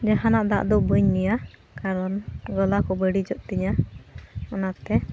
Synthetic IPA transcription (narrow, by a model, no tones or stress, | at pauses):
d͡ʒaɦanaʔd̪a̰ʔd̪ɔʔbəɲnija | kaɾɔnɡɔlakɔbəɽid͡ʒɔʔt̪iɲa | ɔnat̪ɛ